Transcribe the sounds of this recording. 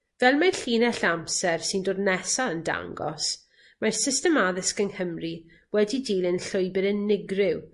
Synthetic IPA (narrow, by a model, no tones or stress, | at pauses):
vɛlˠmaɬiːnɛɬamsɛrsɪndoːdnɛsaənda̰ŋɡɔ̰s | marsɪstɛmaðɪskəŋhəmri | wɛdidiːlənɬʊjbɪðənːɪɡrɪw